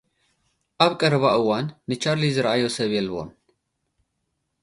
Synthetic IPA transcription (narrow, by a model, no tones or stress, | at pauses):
ʔaβkʼəɾβaʔɨwanːɨt͡ʃaɾlizɨɾaʔajosəβjɛlβo̰n